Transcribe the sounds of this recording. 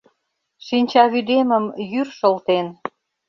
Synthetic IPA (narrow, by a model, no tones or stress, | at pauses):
ʃinʲt͡ɕɑβyd̪emə̆mjyrʃə̆lt̪en